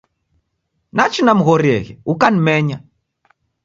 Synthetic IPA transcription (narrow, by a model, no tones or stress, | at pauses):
nat͡ʃinam̩ɣɔɾiɛ̰ɣɛ̰ukanimɛɲa